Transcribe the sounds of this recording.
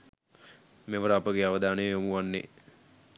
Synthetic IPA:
meʋəɾəːpəɡeaʋəd̪aːnejjomuʋanːḛ

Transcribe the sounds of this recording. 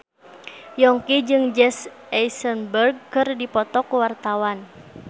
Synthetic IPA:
jɔŋkid͡ʒɨŋd͡ʒɛs | ɛjsənbərɡ̚kɨrdipɔt̪ɔkuwart̪awan

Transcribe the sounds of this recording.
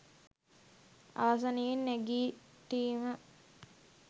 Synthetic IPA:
a̰ʋas̬anejenːæɡiːt̪iːmə

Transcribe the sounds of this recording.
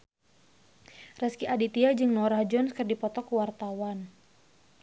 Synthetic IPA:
rɛskiadit̪iad͡ʒɨŋnɔɾahd͡ʒɔnskərdipɔt̪ɔkuwart̪awan

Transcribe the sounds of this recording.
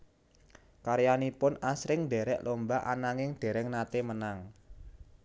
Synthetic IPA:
kaɾjanipʊnasɾɪŋnɖeɾɛʔlombaʔa̰naŋɪŋd̥e̤ɾɛŋnat̪emənaŋ

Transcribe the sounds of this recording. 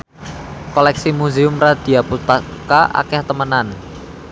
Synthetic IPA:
kɔlɛksimuzeʊmrad̪̥i̤aput̪akaʔa̰kɛht̪əmənan

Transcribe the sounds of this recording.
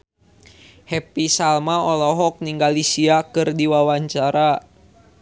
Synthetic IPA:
hɛpisalmaɔlɔɦɔk̚niŋɡalisiakɨrdiwawaɲt͡ʃaɾa

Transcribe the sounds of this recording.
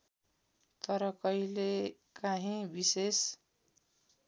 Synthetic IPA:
t̪ʌɾʌkʌile | kaɦĩbises

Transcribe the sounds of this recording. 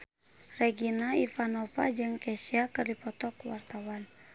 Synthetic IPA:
rɛɡinaifanɔpad͡ʒəŋkɛsiakɨrdipɔt̪ɔkwa̰rt̪awan

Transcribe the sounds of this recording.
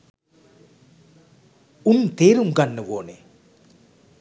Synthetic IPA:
unːt̪eːɾuŋɡɐnːəʋoːnḛ

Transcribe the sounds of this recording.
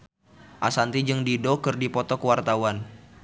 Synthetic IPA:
ʔasant̪id͡ʒɨŋdidokɨrdipɔt̪ɔkəwart̪awan

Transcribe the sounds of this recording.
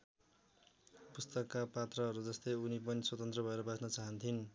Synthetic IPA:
pust̪ʌkːapat̪rʌɦʌɾud͡zʌst̪ʌjunip̬ʌniswʌt̪ʌnt̪rʌbʱʌeɾʌbasnʌt͡saɦʌnt̪ʰin

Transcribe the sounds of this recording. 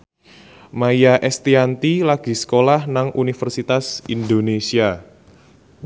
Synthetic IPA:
maijaʔɛst̪iant̪ilaɡ̥i̤sə̥kolahnaŋunifərsit̪asind̪onesia

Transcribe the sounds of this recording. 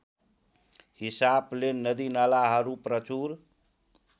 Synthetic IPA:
hisablenəd̪inalaɦəɾupɾət͡ʃuɾ

